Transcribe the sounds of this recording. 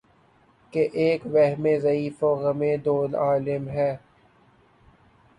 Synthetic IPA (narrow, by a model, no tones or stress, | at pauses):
keʔeːkʋɛɦmezɐiːfoɣɐmẽd̪oːlaːlɪmɦɛː